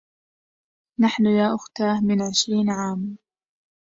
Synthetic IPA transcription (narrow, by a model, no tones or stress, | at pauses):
naħnʊjaːʔʊxt̪aːhmɪnʕɪʃɾiːnʕaːm